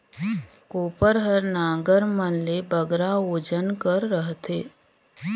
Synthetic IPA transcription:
koːpəɾɦəɾnãːɡəɾmənlebəɡɾaoːd͡ʒənkəɾːəɦt̪ʰeː

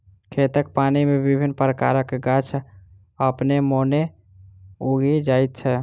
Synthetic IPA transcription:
kʰet̪ək̚panimebibʱinːpɾəkaɾəkːɡat͡ʃʰ | əpnemone | uɡʱid͡ʒait̪̚t͡ʃʰɛ

